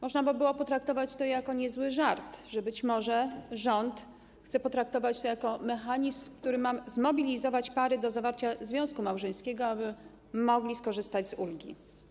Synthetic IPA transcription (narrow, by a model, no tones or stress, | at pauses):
mɔʐnabɨbɘwɔpɔt̪ɾak̚t̪ɔvat͡ɕt̪ɔjakɔɲɛzwɘʐaɾt̪ʐɛbɘt͡ɕmɔʐɛʐɔnt̪ | xt̪sɛpɔt̪ɾak̚t̪ɔvat͡ɕt̪ɔjakɔmɛxaɲizmkt̪uɾɘmamzmɔbʲilʲizɔvat͡ɕpaɾɘd̪ɔzavaɾt͡ɕazvʲjɔ̃w̃skumawʐɛj̃skʲɛɡɔabɘ | mɔɡlʲiskɔʐɘst̪ad͡ʑzulɡʲḭ